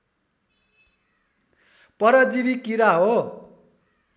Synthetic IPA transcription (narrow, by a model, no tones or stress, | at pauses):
pʌɾʌd͡ziβikiɾaɦo